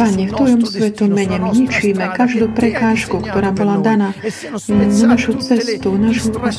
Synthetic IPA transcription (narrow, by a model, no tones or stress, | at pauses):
paɲɛft̪ɔjɔmsʋɛt̪umɛɲɛmɲit͡ʃiːmɛkaʒd̪uːpɾɛkaːʃkukt̪ɔɾaːbɔlad̪anaː | anaʃut͡sɛst̪unaʃu